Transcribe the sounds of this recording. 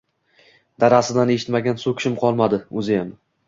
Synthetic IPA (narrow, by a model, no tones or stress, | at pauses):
d̪aɾasɪd̪ane̞ʃɪ̥t̪maɡʲansokʲʰɪ̥ʃɪmqʰɒlˠmad̪ɪɵzɪjam